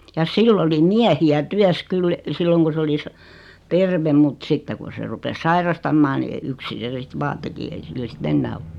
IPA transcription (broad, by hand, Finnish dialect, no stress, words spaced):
jɑ silː oli miæhiæ tyæs kyl silːoŋ ku s oli sɑ terʋem mut sitːe kun̞ se rupes sɑirɑstɑmːɑː ni yksin̞ se sit ʋɑː teki ei silːæ sit enːæː o